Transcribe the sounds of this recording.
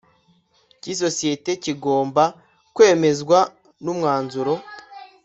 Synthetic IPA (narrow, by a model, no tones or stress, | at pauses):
cis̬o̞sije̞te̞ciɡo̞ːmba | kwe̞ːme̞zɡwa | numŋaːnzuɾo̞